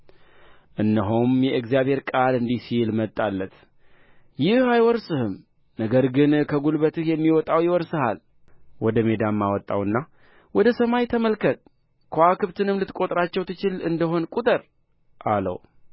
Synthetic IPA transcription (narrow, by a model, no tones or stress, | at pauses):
ʔɨnːəɦomjɛʔɨkzjaβhe̞ɾkʼalɨnd̪ihsilmət̪ʼːalːət̪ | jɪhajwɔɾsɨhɨm | nəɡəɾɡɨnkʰəɡulβət̪ɨhjɛmːiwɔt̪ʼawjɪwɔɾsɨha̰l | wɔd̪əme̞d̪amːawɔt̪ʼːa̰wɨnːa | wɔd̪əsəmajt̪ʰəməlkʰət̪ʼ | kʰoakʰɨβt̪ʰɨnɨmlɨt̪kʼo̞t̪ʼɾat͡ʃːɛwt̪ʰɨt͡ʃɪlɨnd̪əɦo̞nkʼut̪ʼəɾ | ʔalə̰w